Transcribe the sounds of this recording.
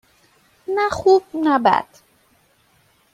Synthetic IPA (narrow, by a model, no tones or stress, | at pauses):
naxub̚naba̰d̪̥